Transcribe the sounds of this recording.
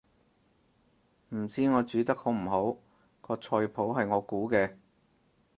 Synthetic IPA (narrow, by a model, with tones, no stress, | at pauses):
m̩˨˩t͡siː˥ŋɔː˨˧t͡ʃyː˨˧t̪ɐ˥k̚kɔ˨˥m̩˨˩ɦo˨˥w | kʰɔː˧t͡sʰɔː˧jpʰo˨˥wɦɐ˨jŋɔː˨˧kuː˨˥kɛː˧